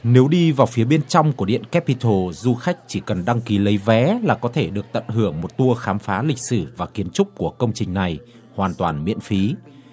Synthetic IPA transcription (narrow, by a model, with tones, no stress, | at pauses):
ne˨˦wɗi˧vaː˨˩wfi˨˦ɓe˧nt͡ɕɔ˧wŋ͡mku˧˩əɗḭ˧˨ənkɛ˦˥pːi˧t̪ʰo˧˩zu˧xa˦˥jk̟̚t͡ɕi˧˩kə˨˩nɗa˧ŋki˨˦lə˨˦jvɛ˨˦laː˨˩kɔ˨˦t̪ʰe˧˩ɗɨ˨˩ək̚t̪ə̰˧˨nɦɨ˧˩əŋmo˨˩t̚t̪u˧əxaː˨˦mfaː˨˦lï˨˩k̟̚sɨ˧˩vaː˨˩ki˨˦ənt͡ɕʊ˦˥k͡p̚ku˧˩əkə˧wŋ͡mt͡ɕï˨˩ŋ̟na˨˩j | hwaː˨˩nt̪waː˨˩nmḭ˧˥ənfi˨˦